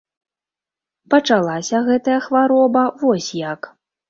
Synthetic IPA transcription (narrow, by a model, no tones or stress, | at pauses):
pɐt͡ʂalˠasʲɐɣɛt̪ɐjɐxvaɾɔbɐvɔsʲjak